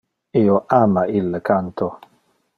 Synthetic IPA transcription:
ioʔaːmailːekant̪o

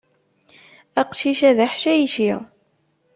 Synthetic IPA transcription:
æqʃiʃæðaħʃæjʃi

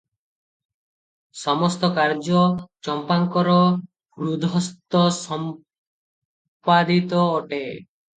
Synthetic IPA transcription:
sɔmɔst̪ɔkaɾd͡ʒɔt͡ʃɔmpaŋkɔɾɔ | bɾud̪ʱɔst̪ɔsɔm | pad̪it̪ɔːʈe

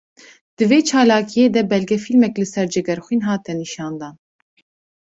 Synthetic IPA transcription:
d̪̥ɨveːt͡ʃʰɑːlɑːkʰijeːd̪ɛbɛlɡɛfilmɛklɨsɛɾd͡ʒɛɡɛɾxʷiːnɦɑːt̪ɛniʃɑːnd̪ɑːn

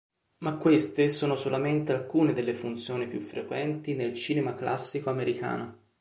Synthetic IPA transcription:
makːwest̪esoːnosolament̪ealkuːned̪elːefunt̪sjoːnipjufːɾekwɛnt̪inelt͡ʃiːnemaklʔa̰sːikoameɾika̰ːno

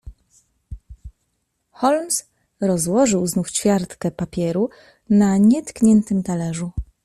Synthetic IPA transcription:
xɔlms | ɾɔzwɔʐɘwznuft͡ɕfʲjaɾt̪kɛpapʲjɛɾu | naɲɛt̪kɲɛnt̪ɘmt̪alɛʐu

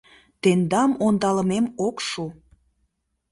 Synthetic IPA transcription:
t̪end̪ɑmond̪ɑlə̆memokʃu

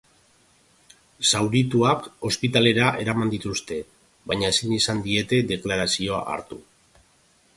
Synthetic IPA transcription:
sawɾit̪uako̞spit̪ale̞ɾaʔe̞ɾamand̪it̪ust̪e̞ | baɲaesinisand̪ie̞t̪e̞d̪e̞klaɾasio̞a̰ʔa̰ɾt̪u

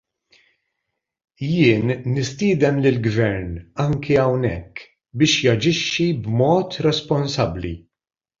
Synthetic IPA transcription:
jɪːnːɪst̪ɪːd̪ɛmlɪlɡvɛɾnɐŋkʰiɐwnɛkː | bɪːʃjɐd͡ʒɪʃːibmɔːt̪ɾɛspɔnsɐblḭ

